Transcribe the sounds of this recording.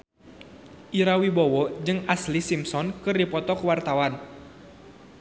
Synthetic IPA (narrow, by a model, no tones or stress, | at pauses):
ʔiɾawibowɔd͡ʒɨŋaslisimsɔnkɨrdipɔt̪ɔkəwart̪awan